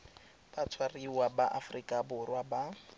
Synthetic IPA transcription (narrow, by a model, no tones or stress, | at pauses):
pat͡sʰwariwabaʔafrikʼabʊrwaba